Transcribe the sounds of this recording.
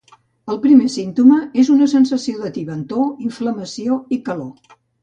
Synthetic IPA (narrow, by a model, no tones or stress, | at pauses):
əlˠpɾimesint̪uməezunəsənsəsioðət̪iβənt̪oiɱfləməsioikəlo